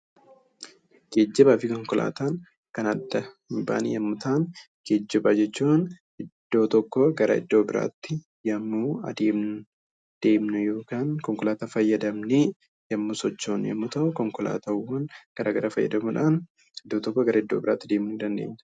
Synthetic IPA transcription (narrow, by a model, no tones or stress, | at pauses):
ɡ̥ed͡ʒːɪbaːfɪkɔŋkɔlʔa̰ːt̪aːn | kɐnɐd̪ːɐ | ɪmba̰ːnijɐmːʊt̪aːn | ɡ̥eːd͡ʒːɪbɐd͡ʒɛt͡ʃːuːn | ʔɪd̪̥ːo̞ːt̪ɔkːɔɡɐɾʔɐ̰ɪ̰d̪ːo̞ːbɪɾʔa̰ːt̪ːɪ | jɐmːuːɐ̰d̪eːmn | d̪̥e̞ːmnʊjo̞ːkaːnkɔŋkɔlaːt̪aːfɐjːɐd̪ɐmnɪ | jɐmːʊsɔt͡ʃːoːnjɐ̰mːʊt̪ɐʔʊkɔŋkɔla̰ːt̪ɐwːɐnɡ̥ɐɾʔaːɡɐɾafɐjːɐ̰d̪ɐmuᶑaːn | ɪd̪ːoːt̪ɔkːɔɡɐɾɐɪd̪ːoːbɪɾaːt̪ːɪd̪e̞ːmuːɪnd̪ɐnd̪e̞̰ːɲːɐ̥